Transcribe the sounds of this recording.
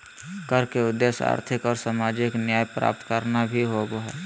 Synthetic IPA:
kəɾkeʊd̪esa̰ːɾt̪ʰɪkɔːɾsamaːd͡ʒɪknjaːjpɾa̰ːp̚t̪kəɾnabʱiɦoboɦɛ

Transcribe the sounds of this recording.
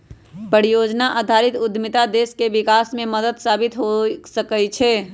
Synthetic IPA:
pəɾijod͡ʒnaʔad̪ʱaɾit̪ud̪ʱmit̪ad̪eskebikasmeməd̪əd̪sabit̪ɦosəkət͡ʃʰɛ

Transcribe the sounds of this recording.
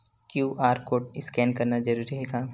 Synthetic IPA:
kjuːʔaːɾkoːʈɪskɛːnkɐɾnazɐɾuːɾiɦɛːɡaː

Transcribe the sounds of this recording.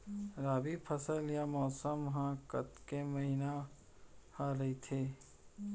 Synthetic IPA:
ɾaːbipʰəsəljamɔːsəmɦãkət̪kemɐɦina | hãɾɐɦit̪ʰeː

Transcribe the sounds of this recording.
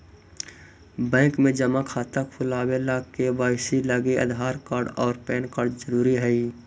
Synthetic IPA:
bɛ̃ːkmẽd͡ʒəmakʰaːt̪əpʰʊlaːwelakebaːɪsiləɡeə̰d̪ʱɦaːɾkaːɾɖɔːɾpɛːnkaːɾɖzəɾuːɾiɦɛi

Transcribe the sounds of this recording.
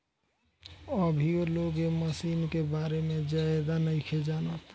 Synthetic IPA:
əbʱioloːɡeməsiːnkebaːɾemẽd͡ʒaed̪anəĩkʰed͡ʒaːnot̪

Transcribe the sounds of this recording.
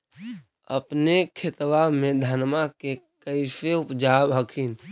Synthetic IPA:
ə̰pnekʰet̪wamẽd̪ʱanmake | kəɪseupd͡ʒabɦəkʰin

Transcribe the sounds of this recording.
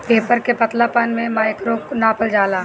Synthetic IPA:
peːpəɾkepɐt̪lapənmẽmaːɪkɾoːknaːpəld͡ʒaːlaː

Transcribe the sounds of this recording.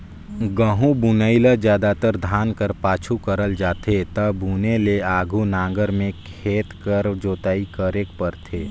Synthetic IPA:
ɡəɦũbunəɪləd͡ʒjaːd̪at̪əɾd̪ʱaːnkəɾpaːt͡ʃʰukəɾəld͡ʒaːt̪et̪ɐbuːneleaːɡʱunãːŋɡəɾmẽkʰeːt̪kəɾd͡ʒoːt̪aːikəɾeːkpəɾt̪ʰeː

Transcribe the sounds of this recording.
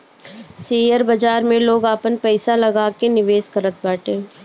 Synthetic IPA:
siːjəɾbɐd͡ʒaːɾmẽloːɡaːpənpɛːsalɐɡaːkenɪʋeːskəɾət̪̚baːʈẽː

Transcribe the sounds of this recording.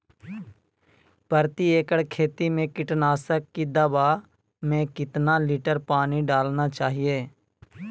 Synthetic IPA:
pəɾt̪ieːkəɽkʰeːt̪imẽkɪʈnaːsəkːid̪əbaː | mẽːkɪt̪naliːʈəɾpaːniɖaːlnat͡ʃaːɦieː

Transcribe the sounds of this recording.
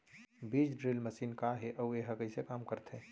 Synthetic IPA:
biːd͡ʒɖɾilməsiːnkaɦeʔəueɦəkəisekaːmkəɾt̪ʰɦe

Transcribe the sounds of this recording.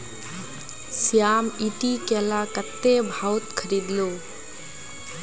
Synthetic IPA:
sjaːmiʈikeːlakət̪ːebʱawt̪̚kʰəɾiːd̪loː

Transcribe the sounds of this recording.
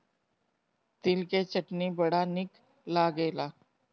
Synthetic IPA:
t̪ilket͡ɕəʈniːbəɽ̤anik | laɡela

